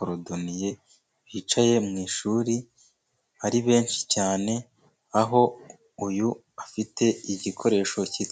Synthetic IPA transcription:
oɾodonije̞ | βiːt͡ʃaje̞mŋiːʃuːɾi | βaɾiβe̞ːnʃi̥caːne̞ | aɦo̞ | uju | afitʰe̞iɟikʰo̞ɾe̞ːʃo̞ciːt

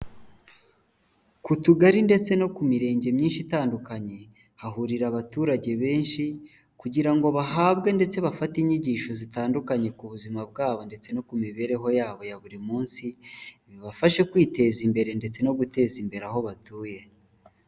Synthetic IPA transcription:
kutuɡaɾinde̞t͡se̞no̞kumiɾe̞ːɲɟe̞mɲiːnʃitaːndukaɲe̞ | haɦuɾiɾaβatuːɾaɟe̞βe̞ːnʃi | kuɟiɾaŋɡo̞βahaːβɡe̞nde̞t͡se̞βafatiɲiɟiːʃo̞zitaːndukaɲe̞kuβuzimab̚ɡaːβo̞nde̞t͡se̞no̞kumiβe̞ɾe̞ɦo̞jaːβo̞jaβuɾimuːnsiiβjoβafaʃe̞kwiːte̞zimbe̞ɾe̞nde̞t͡se̞no̞ɡute̞zimbe̞ɾaɦo̞βatuːje̞

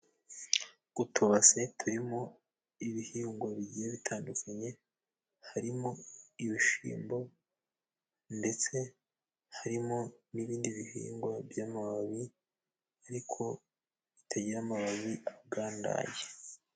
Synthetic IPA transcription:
utʰuβase̞tʰuɾimo | iβihiːŋɡwaβiɟijeβitʰaːndukʰaɲe̞ | haɾimo̞iβiʃḭːmbo̞ | nde̞t͡se̞ | haɾimoniβiːndiβiɦḭːŋɡwabjamaβaβi | aɾikʰo̞ | tʰaɟeɾamaβaβiabɡaːnda̰je

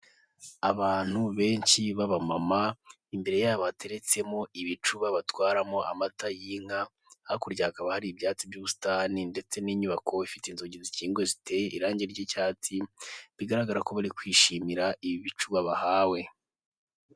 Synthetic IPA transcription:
aβaːn̥huβe̞ːɲʃiβaβamama | imbe̞ɾe̞jaːβatʰe̞ɾe̞t͡se̞mo̞iβit͡ʃuβaβatwaːɾamoʔa̰matajiːŋ̥a | akuɾɟaːkaβahaɾibjaːt͡sibɟuːβustaninde̞t͡se̞niːɲuβakʰo̞ifiteinzoɟiziciːŋɡweziteʔiɾaːɲɟeɾɟicaːt͡siβiɡaɾaɡaɾako̞βaɾikwiːʃimiɾaiβiβit͡ʃuβaβahaːwe̞

